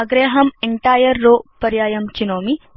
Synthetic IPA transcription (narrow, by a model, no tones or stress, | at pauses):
ɐɡɾeːɦɐmeɳʈaːjɐɾːoːpɐɾjaːjɐmt͡ʃinoːmi